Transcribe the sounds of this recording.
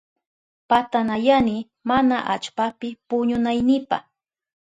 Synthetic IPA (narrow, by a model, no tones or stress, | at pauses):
pat̪anajanɪ | manaʔat͡ʃpapɪpʊɲʊnajnɪpa̰χ